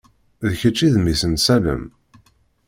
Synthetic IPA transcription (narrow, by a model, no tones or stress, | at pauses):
ðçət͡ʃːiðmisənsælə̰m